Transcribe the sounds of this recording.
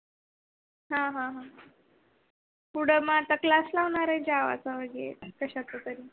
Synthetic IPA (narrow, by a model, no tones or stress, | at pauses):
ɦãɦãɦã | puɽ̤əməat̪aklaslaʋɳaɾəẽd͡ʑaʋa̰t͡saʋəɡiḛkəɕat̪ət̪əɾiː